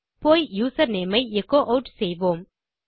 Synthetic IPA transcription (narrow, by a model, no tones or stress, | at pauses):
poːjjuːsɐɾneːmɐɪɛkːoːʔɐʊʈsɛjʋoːm